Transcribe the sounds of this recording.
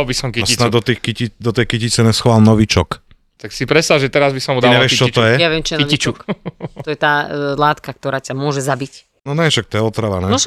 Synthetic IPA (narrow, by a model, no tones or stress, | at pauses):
lbisɔmkisinad̪ɔt̪ixkicid̪ɔt̪ɛjkicit͡sɛnɛsxʋaːlnɔʋit͡ʃɔk | t̪aksipɾɛsaʒɛt̪ɛɾazbisɔmud̪ɲɛʋɪɛʃit͡ʃɔtɔjɛjaʋɪɛmt͡ʃijɛnkiɔit͡ʃukk̪ɔjɛt̪aːlaːt̪kak̚t̪ɔɾaːcamʊɔʒɛzabic | nɔnɛʃak̚t̪ɔjɛɔt̪ɾaʋanɛ